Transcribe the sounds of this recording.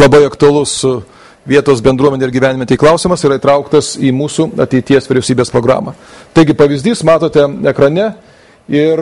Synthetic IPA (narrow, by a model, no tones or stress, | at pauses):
lˠɐbɐɪɐkt̪ʊɐlˠʊsʊ | ʋʲiɛt̪oːsbʲɛnd̪ɾuɔmʲɛnʲeɪɾɡʲiːʋʲæːnʲɪmɛt̪ʲɛɪklˠɐʊsʲɪmɐsiːɾɐit̪ɾɐʊkt̪ɐsiːmuːsuːɐ̰t̪ʲɛɪt̪ʲiɛsʋʲɪɾʲɛʊsʲiːbʲeːspɾoːɡɾɑ̰ːmɐ | t̪ɐɪɡʲɪpɐʋʲɪzʲd̪ʲiːsmɑːt̪oːt̪ʲɛɛkɾɐnʲɛ | ɪr